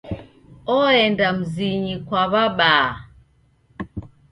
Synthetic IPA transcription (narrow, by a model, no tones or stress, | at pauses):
ɔɛndam̩ziɲikwaβaɓaː